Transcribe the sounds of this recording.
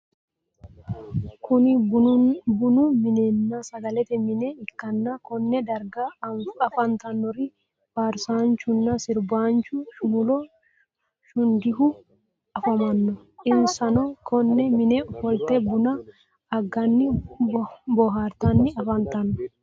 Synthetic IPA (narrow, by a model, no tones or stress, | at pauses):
kʰʊnɪ | bʊnʊmɪnenːasɐɡɐlɛt̪ɛmɪnɛɪkːɐnːakɔnːɛd̪ɐɾɡaɐfɐnt̪ɐnːɔɾɪ | faɾsaːnt͡ʃʊnːɐsɪɾbaːnt͡ʃʊʃʊmʊlɔ | ʃʊnd̪ɪɦʊ | ɐfɐmɐnːɔ | ʔɪnsɐnɔkʰɔnːɛmɪnɛhɔlt̪ɛbʊnɐː | ɡɐnːɪ | bɔɦaːɾt̪ɐnːɪɐfɐnt̪ɐnːɔ̥